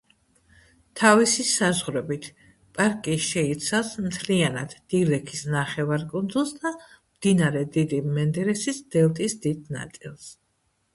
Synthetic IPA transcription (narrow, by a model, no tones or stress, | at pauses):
t̪ʰavisisazʁɾɛbit̪ʰ | pʼaɾkʼiʃɛit̪sʰafsmt̪ʰlianad̪̥ːilɛkʰisnaχɛvaɾkʼund̪zulˠsd̪a | md̪̥inaɾɛd̪id̪imɛnd̪ɛɾɛsisd̪̥ɛlˠt̪ʼisd̪id̪na̰t̪sʼḭlˠs